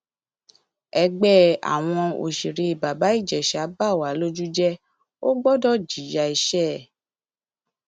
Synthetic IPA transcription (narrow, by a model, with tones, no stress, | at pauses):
ɛ˧ɡ͡bɛ˦a̰˨w̃ɔ̃˧o̰˨ʃi˨ɾi˧i˨ba˨ba˨˦i˦˨d͡ʒɛ˨ʃa˨˦ba˦˨wa˨˦lo˦d͡ʒu˦d͡ʒɛ˦ | o˦ɡ͡bɔ˦dɔ˦d͡ʒi˨˦ja˧i˧ʃɛ˦˨